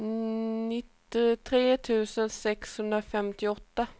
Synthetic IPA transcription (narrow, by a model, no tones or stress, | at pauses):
nɪt̪ːɪt̪ʰɾeːt̪ʰʉ̟ːsənsɛkshɵnd̪ɾafɛmt̪ɪɔt̪ːa